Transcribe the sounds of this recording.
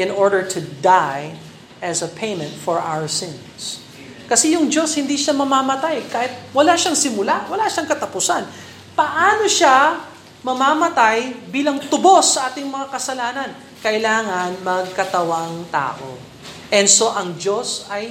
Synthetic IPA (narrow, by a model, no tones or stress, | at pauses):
ʔɪ̃nʔoɹd̪əɹt̪ʰʊd̪aj | ʔɐsɐpʰejmɛ̃nt̪fɔɹʔa̰wəɹsɪ̃n | s | kɐsɛjʊŋd͡ʒo̞shɪnd̪iʃamɐmaːmɐt̪ajkaːhɪt̪̚wɐlaʃaŋsɪmʊlawɐlaʃaŋkɐt̪ɐpʊsan | pɐʔaːno̞ʃa | mɐmaːmɐt̪ajbiːlɐŋt̪ʊbo̞sːɐʔaːt̪ɪŋmɐŋakɐsɐlaːnɐn | kɐʔɪlaːŋɐnmɐɡ̚kɐt̪ɐwaŋt̪a̰ːʔo̰ | ʔɛnd̪so̞ʔɐŋd͡ʒo̞sɐj